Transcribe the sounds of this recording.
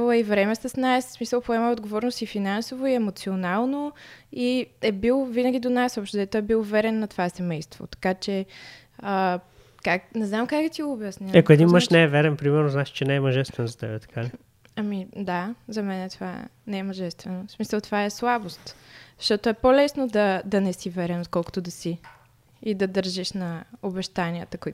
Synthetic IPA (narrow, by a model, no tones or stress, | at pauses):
lˠəivɾɛmɛsəsnasːmisəlˠpoɛməod̪ɡovɔɾnost̪ifinansovoiɛmot̪sionalˠnoiɛbilˠvinəɡʲid̪onasɔpʃt̪ʊd̪ɛt̪oɛbilˠvɛɾɛnːɐt̪ovasɛmɛjst̪vo̰t̪ɐ̥kat͡ʃɛ | ə | kaknɛznamkakɡ̪ət̪iɡoʊːbjəsniɐkoɛd̪inməʃnɛɛvɛɾɛnpɾimɛɾnoznaʃi̥t͡ʃɛnɛɛmɐʒɛst̪vɛnzɐt̪ɛbɛt̪ɐ̥kʰalʲi | ɐmid̪azɐmɛnɛt̪ova̰ɛ̰nɛɛmɐʒɛst̪vɛnosmisəlˠt̪ovaɛslˠabost̪zɐ̥ʃt̪ɔt̪oɛpolɛsnod̪ɐd̪ɐnɛsivɛɾɛnt̪kɔlˠko̥t̪od̪ɐsiː | d̪ɐd̪əɾʒiʃnɐobɛʃt̪aniət̪əkoi